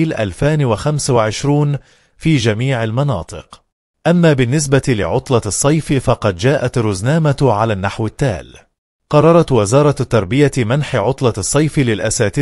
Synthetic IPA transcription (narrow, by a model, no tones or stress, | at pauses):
lʔalfaːnwaxamswaʕɪʃɾuːn | fiːd͡ʒamiːʕɪlmɑnɑ̰ːt̪ˤɨq | ʔamːaːbɪnːɪs̬bat̪ilɪ̰ʕʊt̪ˤlɑsˤːɑjffɑqɑd̪d͡ʒaːʔat̪ɾʊznaːmat̪ʕalaːnːaħwɪt̪ːa̰ːl | qɑrˤːɑɾˤɑt̪wɪzɑːɾˤɑt̪ːɑɾˤbɪjamanħɪʕʊt̪ˤlɑsˤːɑjflɪlʔasaːt̪ɪ